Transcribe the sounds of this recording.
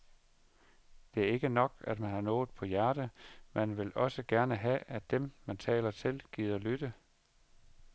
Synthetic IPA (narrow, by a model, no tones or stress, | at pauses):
d̥e̝æɐe̝ɡ̥ənɒ̽ɡ̥æd̥mænhɑ̈nɔ̽ːð̩ˠpʰɒ̽jæɐɾ̥əmænʋe̝lɒ̽səɡ̥æɐnəɦæʔæd̥emmænt͡sʰɛ̰ːlɐt͡sʰe̝lɡ̥iːð̰ˠɐlyd̥ə